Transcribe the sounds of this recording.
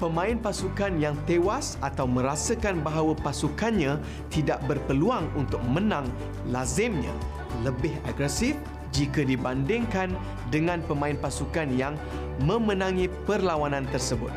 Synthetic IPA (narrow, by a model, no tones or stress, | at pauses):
pəmãɪnpasukanjaŋt̪ewasat̪awmə̃ɾasəkanbaɦawapasukanɲã | t̪idaʔbərpəluaŋunt̪ʊk̚mənãŋ | lazɪmɲã̰ | ləbɪɦaɡɾɛsɪf | d͡ʒikədibandɪŋkan | dəŋãnpəmãɪnpasukanjaŋ | mə̃mənãŋĩpərlawanãnt̪ərsəbʊ̰t̪̚